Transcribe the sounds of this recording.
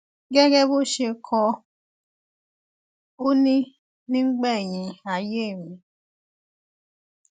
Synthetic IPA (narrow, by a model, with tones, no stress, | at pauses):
ɡɛ˦ɡɛ˦bo˦ʃe˧kʰɔ˧ | o˦nĩ˦ | nĩ˦ŋ͡m̩˦ɡ͡bɛ˦˨jĩ˨˧a˨je˦˨ɾĩ˨˦